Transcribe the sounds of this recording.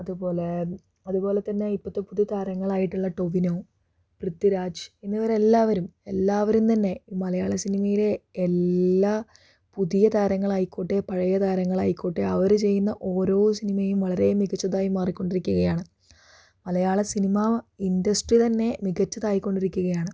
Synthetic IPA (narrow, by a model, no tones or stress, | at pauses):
ɐðupo̞ːle̞ | ɐðupo̞ːle̞t̪ːɐnːe̞ipːɐt̪ːepuðijɐt̪ʰaːɾɐŋːɐɭaːjiʈːuɭːɐʈo̞ʋinoː | prɨt̪ːiɾaːd͡ʑinːɐʋɐɾelːaːʋɐɾumelːaːʋɐɾumt̪ɐnːe̞mɐlɐjaːɭɐsinimɐjile̞ːlːaː | puðijɐt̪aːɾɐŋːɐɭaːjikːoːʈːepɐɻɐjɐt̪aːɾɐŋːɐɭaːjikːoːʈːeɐʋɐɾt͡ɕe̞jːunːɐʔo̞ːɾo̞ːsinimɐjumʋɐɭɐɾe̞jumːiɣɐt͡ɕːɐðaːjumːaːrikʲːo̞ɳɖiɾikʲːuɣɐjaːɳɨ | mɐlɐjaːɭɐsinimɐindɐsʈrit̪ɐnːe̞miɣɐt͡ɕːɐðaːjikʲːo̞ɳɖiɾikʲːuɣɐjaːɳɨ